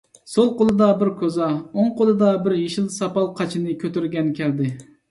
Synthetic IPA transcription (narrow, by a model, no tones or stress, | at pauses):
solˠqolˠɨd̪ɑbɪɾkʰozɑoŋqʰolˠɨd̪ɑbɪɾjeʃilˠsɑpɑlˠqʰɑt͡ʃʰinɨkʲʰøt̪yɾɡʲɛnkʲʰɛɾd̪ɪ